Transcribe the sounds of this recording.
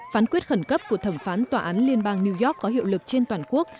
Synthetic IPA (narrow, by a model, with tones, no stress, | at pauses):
faː˨˦nkwi˦˥t̚xə˧˩nkə˦˥p̚ku˧˩ət̪ʰə˧˩mfaː˨˦nt̪waː˨˩ʔaː˨˦nli˧ənɓaː˧ŋni˧wzɔ˦˥kːɔ˨˦ɦḭ˧˨wlɨ˨˩k̚t͡ɕe˧nt̪waː˨˩nku˦˥ək̚